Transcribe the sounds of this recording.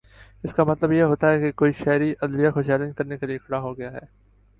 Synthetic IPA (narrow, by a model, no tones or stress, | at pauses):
ɪskamɐt̪ləbjeɦoːt̪aɦɛkekoːiʃɛːɾiʔɐd̪lijakot͡ʃɛːlɪ̃nd͡ʒkɐɾnekeliekʰɐɽaɦoɡɐjaɦɛː